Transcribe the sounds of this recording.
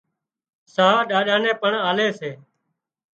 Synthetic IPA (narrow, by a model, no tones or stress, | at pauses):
saːɗaːɗãːnẽːpəɳaːleːseː